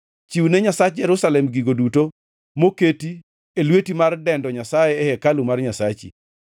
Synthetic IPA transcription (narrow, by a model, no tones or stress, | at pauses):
t͡ʃiwnɛɲasat͡ʃd͡ʒɛɾʊsalɛmɡiɡoduto | moketi | elwetimardɛndɔɲasajɛːhɛkalumarɲasat͡ʃḭ